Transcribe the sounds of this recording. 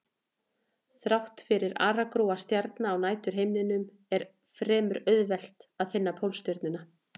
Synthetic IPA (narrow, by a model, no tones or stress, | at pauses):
θɾawht̪fɪɾɪɾa̰ːɾakɾowast̪jaɾt̪naːwnaːjt̪ʏɾ̥ɦejmnɪnʏm | ɛɾ̥ | fɾɛːmʏɾœðvɛl̥t̪aðfɪnːapʰowlst̪jœɾt̪nʏna